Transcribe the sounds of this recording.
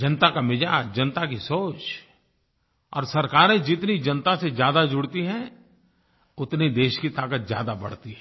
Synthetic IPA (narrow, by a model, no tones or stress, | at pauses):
d͡ʒɐnt̪akamɪd͡ʒaːd͡ʒɐnt̪ak̬isoːt͡ʃ | ɔ̰ːɾsɐɾkaːɾẽd͡ʒɪt̪nid͡ʒɐnt̪asezjaːd̪ad͡ʒʊɽt̪iɦɛ̃ | ʊt̪nid̪eːʃkit̪aːkət̪zja̰ːd̪abɐ̰ɽ̤t̪iɦɛ̃